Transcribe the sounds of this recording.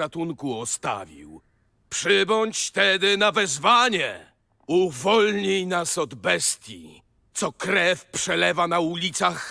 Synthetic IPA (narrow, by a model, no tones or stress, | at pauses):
at̪uŋkuɔst̪a̰vʲḭw | pʂɘbɔɲt͡ɕt̪ɛd̪ɘnavɛzvaɲɛ | uvɔlɲijnasɔd̪bɛst̪ʲji | t̪sɔkɾɛfpʂɛlɛvanaulʲit̪sax